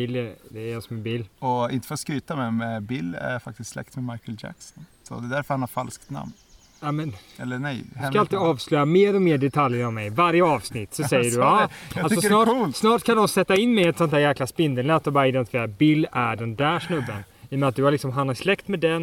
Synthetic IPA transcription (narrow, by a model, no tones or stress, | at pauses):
ɪlːd̪ɛːɾjasɔmɛbɪlːɔɪ̰nt̪ə̥fɾɔskɾyːt̪amɛmɛbɪlːæ̰fak̚t̪ɪst̪slɛ̰kt̪mɛmajkəld͡ʒæ̰ksɔnsɔ̰d̪ɛd̪æɾfœɾhanhaɾfalskt̪na̰mn | amɛnɛlːənɛjdskaalt̪iːd̪ɑːvslœjameːɾɔmeːɖɛt̪ʰaljəɾɔmɛjvaɾjəɑːvsnɪt̪ːsɔsɛjːəɖɵɑalsɔnɑːsnɑːʈkʰand̪ɔnsɛt̪ːaɪnːmɛjɛt̪sɔnt̪ʰæːɾjæːklaspɪnd̪ənɛt̪ːɔbɑːɾaɪd̪ɛnt̪ɪfɪeːɾabɪlːæɖɛnd̪æːʂnɵbːən | ɪjəmɛnat̪̚d̪ɵhaɾlɪksɔmɦanhaɾslɛkt̪mɛd̪ɛn